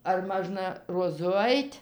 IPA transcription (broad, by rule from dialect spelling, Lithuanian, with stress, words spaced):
ɐr ˈmɑːʒnɐ roːˈzʊ ˈɐɪtʲ